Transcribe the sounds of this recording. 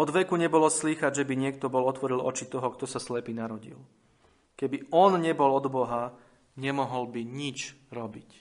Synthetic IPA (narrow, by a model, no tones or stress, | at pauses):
ɔd̪ʋɛkuɲɛbɔlɔsliːxaɟʒɛbiɲɪɛkt̪ɔbɔlɔt̪ʋɔɾilɔt͡ʃit̪ɔɦɔkt̪ɔsaslɛpiːnaɾɔɟḭl | kɛbiɔnɲɛbɔlɔd̪bɔɦa | ɲɛmɔɦɔlbiɲit͡ʃɾɔbic